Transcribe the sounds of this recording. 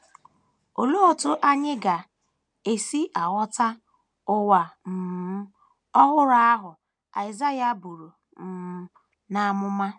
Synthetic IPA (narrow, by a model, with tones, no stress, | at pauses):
o˨lo˦o˨tʊ˦ʔa˦ɲɪ˦ɡa˨ | e˨si˦ʔa˨ɣɔ˦ta˦ | ʊ˦wa˨m̩˨m̩˦ | ɔ˦ɦʊ˦ɾa˦a˦ɦʊ˨ | a̰˨ɪ˨za˦ja˦bu˨ɾu˨ | m̩˨m̩˦ | na˨a˦˨mʊ˦ma˦